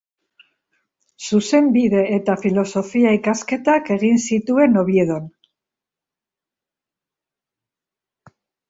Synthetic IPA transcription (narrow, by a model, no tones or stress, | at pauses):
suse̞mbiðe̞ːt̪afilo̞so̞fiaikaske̞t̪ake̞ɣinsit̪ue̞no̞βie̞ð̞o̞n